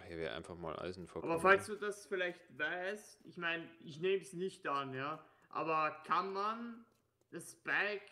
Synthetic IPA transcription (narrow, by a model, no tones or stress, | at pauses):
hiːɐveːɐʔa̰ɪnfaχma̰ːlʔa̰ɪzn̩fɔaːbɐfalstd̥uːdasfɪlaɪçtvaɪstʔɪçmaɪnɪçneːməsnɪçtanjaː | ʔa̰ːbɐkʰanman | d̥asb̥ak